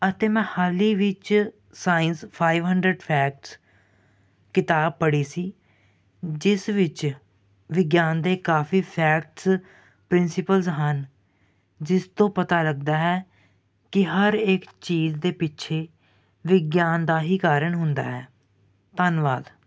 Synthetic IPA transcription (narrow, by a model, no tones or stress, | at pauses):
ət̪eːmɛ̃ːhaːliːʋɪt͡ʃ | saːɪnspʰaːiʋɦəɳɖɾəɖpʰɛːk̚ʈs | kɪt̪aːb̚pəɽiːsiː | d͡ʒɪsʋɪt͡ʃ | ʋɪɡjaːnd̪eːkaːfiːpʰɛːkʈs | pɾɪnsɪpəlzɦən | d͡ʒɪst̪õːpət̪aːləɡ̚d̪aːɦɛː | kɪɦəɾeːkt͡ʃiːzd̪eːpɪtːʃʰeː | ʋɪɡjaːnd̪aːɦiːkaːɾəɳɦʊnd̪a̰ːɦɛː | t̪ənʋaːd̪